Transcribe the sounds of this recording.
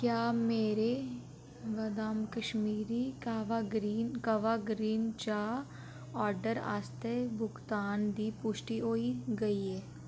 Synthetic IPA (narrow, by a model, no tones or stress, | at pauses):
kjaːmeːɾe | ʋɐd̪aːmkəʃmiːɾikaʋaɡɾiːnkɐʋaɡɾiːnt͡ʃa | ɔːɾɖəɾa̰ːst̪ebʊɡt̪aːnd̪iːpʊʃʈiɦoːiɡɐiɦɛː